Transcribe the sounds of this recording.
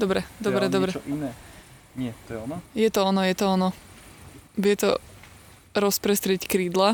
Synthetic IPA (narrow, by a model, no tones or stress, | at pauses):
d̪ɔbɾɛd̪ɔbɾɛd̪ɔbɾɛinɛ | ɛt̪ɔnjɛt̪ɔɔnɔjɛt̪ɔɔnɔ | ʋɛt̪ɔ̰ | ɾɔspɾɛst̪ɾɪɛckɾiːd̪la